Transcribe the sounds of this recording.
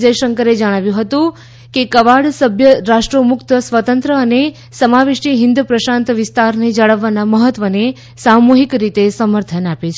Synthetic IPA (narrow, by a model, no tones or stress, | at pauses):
d͡ʒəjʃəŋkəɾed͡ʒəɽ̃aʋjũɦət̪ũ | kekəʋaɭsəbʱjəɾaʃʈɾomʊkt̪əsʋət̪ənt̪ɾəːne | səmaʋɪʃiɦɪnd̪upɾəʃãnt̪ʋɪst̪aɾned͡ʒaɭəʋːanaməɦət̪ʋəne | samoɦikɾit̪esəməɾt̪ʰənapet͡ʃʰ